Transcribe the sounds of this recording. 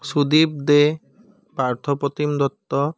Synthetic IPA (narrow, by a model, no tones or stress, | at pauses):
sud̪ib̚d̪e | paɹt̪ʰɔpɔt̪imd̪ɔt̪ːɔ